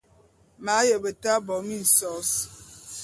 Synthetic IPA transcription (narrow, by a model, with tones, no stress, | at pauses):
ma˨˦jə˨bə˨ta˦bɔ˨mi˦˨n̩˨sɔ˨˦s